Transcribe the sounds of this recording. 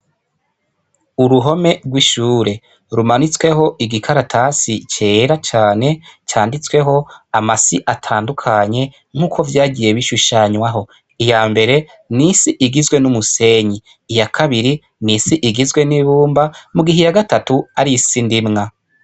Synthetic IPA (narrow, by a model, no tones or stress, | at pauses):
uɾuɦo̞me̞ɡwiʃuːɾe̞ | ɾumanit͡swe̞ɦo̞ʔiɡikʰaɾatʰasit͡ʃeːɾat͡ʃaːne̞t͡ʃaːndit͡swe̞ɦo̞amasiʔatʰaːndukʰaɲe̞ | ŋ̥uːkʰo̞vjaːɟije̞βiʃuʃaɲwaɦo̞ | ijaːmbe̞ɾe̞ | nisiʔiɡizɡwe̞numuse̞ɲiː | jakʰaβiɾi | nisiʔiɡizɡwe̞niβuːmbamuɡiɦijaɡatatuaɾisindimŋa